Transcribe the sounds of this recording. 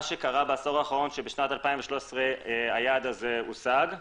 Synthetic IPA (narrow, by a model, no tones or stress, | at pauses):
ʃe̞kaʁabeaso̞ʁaːχaʁo̞nʃebeʃnat̪alpaĩɱveʃloʃesʁeajad̪azeṵsaɡ